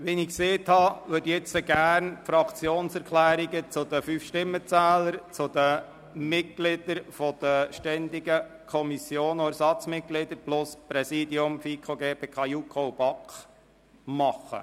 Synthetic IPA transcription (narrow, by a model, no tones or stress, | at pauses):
ʋinɪkseːt̪hɑʋʏdjɛt͡səɡæɾnfɾɑkt͡sjoːnsɛɾkʰlæːɾiɡət͡sʊd̪əfyfʃtɪmːət͡sæːləɾt͡sʊd̪ə | mɪt̚ɡlɪd̪̥əɾfɔd̪̥əʃtɛnd̪iɡə | kʰɔmisjoːnoæɾsɑt͡smɪt̚ɡlɪd̪əɾplʊspɾɛsiːd̪iʊmfikʰoɡeːpeːkʰɑjukʰob̥ɑkχ | mɑχːə̰